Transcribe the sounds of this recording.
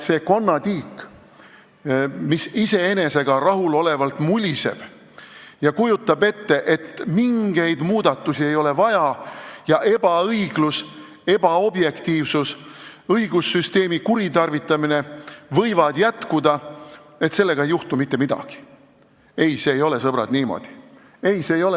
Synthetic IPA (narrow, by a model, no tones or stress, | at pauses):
se̞ːko̞nːɑt̪iːk | misise̞ene̞se̞ɡ̥ɑrɑɦulo̞le̞vɑlt̪mulʲise̞̰b̥ | jɑkujut̪ːˑɑbe̞t̪ːe̞ʔe̞t̪miŋɡ̥e̞jd̪muːd̪̥ɑt̪ːˑusie̞jo̞le̞vɑjɑjɑʔe̞b̥ɑɤjɡ̥lus | e̞b̥ɑo̞bje̞kt̪iːvsusɤiɡusːyst̪e̞ːmikuɾit̪ɑrvit̪ːˑɑmine̞vɤjvɑd̪̥jæt̪kud̪ɑe̞t̪se̞lːe̞ɡɑejuht̪umit̪ːe̞mid̪̥ɑ̰ɡ̥i̥ | e̞jse̞ːjo̞le̞sɤb̥ɾɑ̰d̪niːmo̞̰d̪̥i̥ | e̞jse̞ːjo̞le